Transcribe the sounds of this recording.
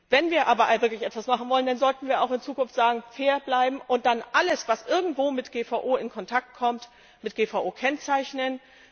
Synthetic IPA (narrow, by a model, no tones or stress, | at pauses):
vɛnviːɐʔaːbɐvɪɐklɪçɛtv̥asmaχn̩vɔləndanzɔltn̩viːɐa̰ʊxɪnt͡suːkʊnftz̥aːɡŋ̩feːɐblaɪbm̩ʔʊnt̚d̥anʔaləsv̥asʔɪɐɡŋ̩tv̥oːmɪtɡ̥eːfaʊʔoːɪnkʰɔntʰak̚t̚kʰɔmt | mɪt̚ɡ̥eːfaʊʔoːkʰɛnt͡saɪçnən